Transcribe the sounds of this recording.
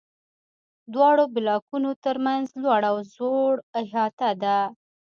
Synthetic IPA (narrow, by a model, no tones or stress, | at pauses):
d̪wɑɽobɪlɑkunot̪əɾmanzlwaɽawzoɽaɦɑt̪ad̪a